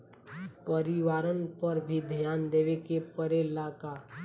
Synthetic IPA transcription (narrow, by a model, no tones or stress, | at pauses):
pəɾiʋaːɾənpəɾbʱid̪ʱjaːnd̪eːʋekepəɾelaːkaː